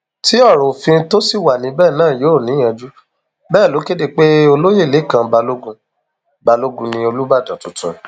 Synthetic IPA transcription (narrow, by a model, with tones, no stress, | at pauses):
ti˨˦ɔ˦˨ɾ̃ũ˨fĩ˧to˦si˦˨wa˨nĩ˨˦bɛː˦˨nãː˦˨jo˨˦˨nĩ˨˦ã˧d͡ʒu˦ | bɛː˦˨lo˨˦ke˦de˧k͡pe˦o˧lo˦je˦˨le˨˦˨kã˧ba˧lo˦ɡũ˧ | ba˧lo˦ɡũ˧nĩ˧o˧lu˦ba˦˨dã˨tũ˨tṵ̃˨